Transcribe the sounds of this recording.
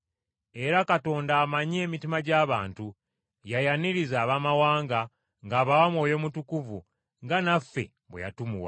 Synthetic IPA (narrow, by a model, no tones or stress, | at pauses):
e̞ɾakato̞ːndaːmaɲe̞ːmitimaɟaːβaːntu | jajaniɾizaːβaːmawaːŋɡa | ŋɡaːβawamwo̞ːjo̞mutukuvu | ŋɡanafːe̞̰ | βweja̰tumṵwa̰